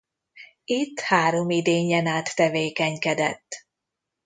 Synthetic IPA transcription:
it̪ːhaːɾo̞mid̪eːɲɛnaːt̪ːɛveːkɛɲkɛd̪ɛ̰t̪ː

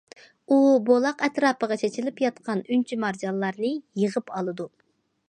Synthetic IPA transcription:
ubolˠɑqɛt̪ɾɑːpəʁɑt͡ʃʰet͡ʃʰilɪpjɑt̪qʰɑnynt͡ʃʰimɑɾd͡ʒɑllːˠɑɾnɨjəʁəpɑlˠɨd̪u

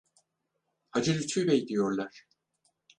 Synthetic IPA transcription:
had͡ʒɯɾyt͡ʃʰyjbɛjd̪ijoɾlˠaɾ̥

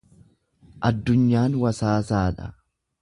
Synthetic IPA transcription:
ʔɐd̪ːʊɲːaːnwɐsaːsaːᶑɐ

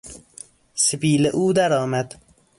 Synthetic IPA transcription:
sebiːleʔuːd̪æɾɒːmæd̪̥

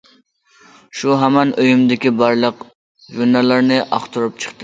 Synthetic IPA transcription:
ʃuɦɛmɛnʔøjymd̪ɪkʲibɑɾlˠəq | ʒunːɑlˠɑɾnɨʔɑ̰χt̪ʰuɾup̚t͡ʃʰə̥χt̪ɨ

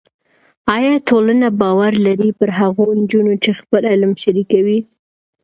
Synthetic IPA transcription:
ɑjɑtolanabɑwaɾlaɾipəɾɦaɣond͡ʒunot͡ʃexpəlɪlmʃaɾikawi

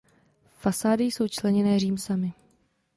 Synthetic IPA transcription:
fasaːdɪjso̞wt͡ʃlɛɲɛnɛːriːmsamɪ

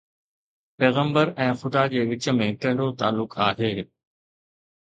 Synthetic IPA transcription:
pɛːɣə̃mbəɾɛ̃ːxʊd̪ad͡ʑeːʋɪt͡ɕə̆mẽkɐ̃ɦɪɳɽot̪aːlːʊkaːɦeː

